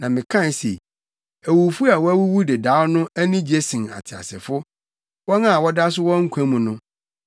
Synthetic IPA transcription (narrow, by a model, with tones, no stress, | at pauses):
nã˨mɪ̃˨kʰã˦˨n˦sḛ˨ | æ˨wu˨fu˦a˨wɔ˦æ˦wu˦wu˦de˨da˨˦wnʊ̃˦æ˦nĩ˦d͡ʑe˦sɪ̃˨na̰˨tʰɪ˨a̰˨sɪ̰˨fʊ˦ | wɔ˦nã˦˨wɔ˦da˦s̬ʊ˦wɔ̃˦ŋ̩˦kʷʰã˦mũ˨nʊ̃˦